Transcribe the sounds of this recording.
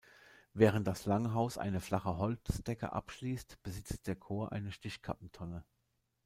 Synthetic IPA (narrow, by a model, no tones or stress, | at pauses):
vɛːʁ̞ənt̚d̥aslaŋɦaʊsʔa̰ɪnəflaχəɦɔlt͡sd̥ɛkə̰ʔa̰pʃliːstb̥əzɪt͡st̚d̥eːɐkʰoːɐʔa̰ɪnəʃtɪçkʰa̰p̚m̩tʰɔnə